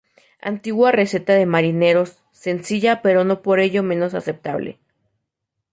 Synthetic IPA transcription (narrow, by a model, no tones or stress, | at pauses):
a̰nt̪iɣwareset̪aðemaɾineɾosː | ensiʝapeɾonopoɾeʝome̞nosasep̚t̪aβlḛ